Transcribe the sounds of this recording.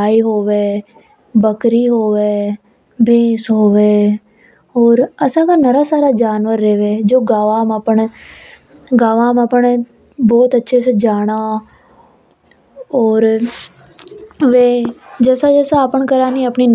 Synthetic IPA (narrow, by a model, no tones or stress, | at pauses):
aːiːɦoːʋeː | bəkɾiːɦoːʋeː | bʱeːsɦoːʋeː | ɔːɾəsãːkaːnəɾaːsaːɾaːd͡ʒaːnʋəɾːeːʋeːd͡ʒoːɡaːʋãːməpəɳ | ɡaːʋãːməpəɳ | bɔːt̪ətːʃʰeːsed͡ʒaːɽ̃aː | ɔːɾ | ʋeːd͡ʒɛːsad͡ʒɛːsãəpəɳkəɾaːniːəpniːn